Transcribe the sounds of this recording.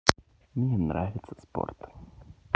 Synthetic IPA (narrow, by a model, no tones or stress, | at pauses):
mnʲɛnɾavʲɪt̪səspo̰rt̪